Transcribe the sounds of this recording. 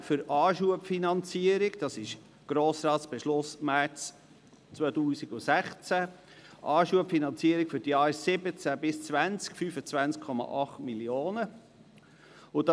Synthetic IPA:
fʏɾɑːʃuəpfinɑnt͡siəɾɪɡd̥ɑsɪʃ | ɡ̥ɾoːsɾɑːtsb̥ɛʃlʊsmæɾt͡s | t͡svɔːtuːsiɡʊsæχt͡sæ | ʔɑːʃuəpfinɑnt͡siəɾikfʏɾdjɑːɾsɪbət͡sæbɪst͡svænt͡skfyːfət͡svænt͡skʰɔmɑ̰ʔɑχtmiljoːnə | ʊd̥ɑ

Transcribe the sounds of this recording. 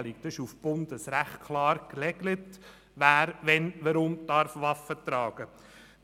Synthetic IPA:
lik̚d̥̪ɑɪʃufb̥ʊnd̪əsɾæχtkʰlɑːɾklɛɡlət | ʋæːɾʋɛnʋəɾʊmtɑɾfʋɑfːət̪ɾɑːɡ̥ə

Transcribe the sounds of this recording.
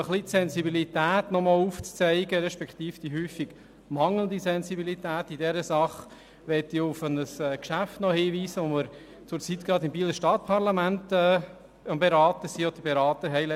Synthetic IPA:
əχlit̪sɛnsibilit̪æːt̪nɔmɔːluft͡st͡sɛɪɡəɾɛʃpɛkχt̪iːfd̥iɦyːfiɡ | mɑŋlənd̪isɛnsibilitæːtidɛɾəsɑχ | ʋɛtiʊfənəsɛːkʃæftnɔhiːʋiːsəʋɔməɾ | t͡sʊɾt͡sit̪ɡ̥ɾɑd̪ɪmbiːləʃtɑt̪̚pʰɑɾlɑmæntɛː | əmbeɾɑːt̪əsiːɔd̥̪əɾbeɾɑːt̪əɾɦɛɪlɛ

